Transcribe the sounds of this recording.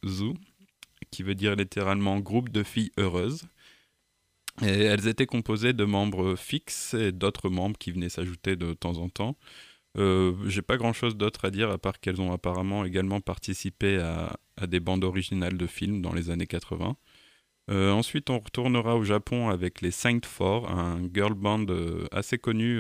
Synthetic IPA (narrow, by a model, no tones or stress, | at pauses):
zu | kʲivød̪iʁlit̪eʁalmɑ̃ɡʁup̚d̪əfijøʁøz | eɛlzet̪ɛkɔ̃pozed̪əmɑ̃bʁəfiksed̪ot̪χəmɑ̃bʁəkʲivənɛsaʒut̪ed̪ət̪ɑ̃zɑ̃t̪ɑ̃ | øʒepaɡʁɑ̃ʃozd̪ot̪χad̪iʁapaʁkɛlzɔ̃apaʁamɑ̃eɡalmɑ̃paʁt̪isipea̰ː | d̪ebɑ̃d̪ɔʁiʒinald̪əfilmd̪ɑ̰̃lezanekat̪χəvɛ̰̃ | øɑ̃sɥit̪ɔ̃ʁət̪uʁnəʁaoʒapʰɔ̃avɛklesɛ̃t̪fɔʁɛ̰̃ɡœʁlbɑ̃d̪ø̰a̰sekɔny